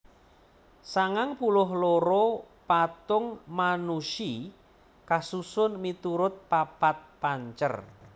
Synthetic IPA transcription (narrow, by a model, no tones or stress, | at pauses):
saŋaŋpulʊɦloɾɔ | pat̪ʊŋmanuʃi | kasusʊnmit̪uɾʊt̪̚papat̪̚paɲt͡ʃə̰r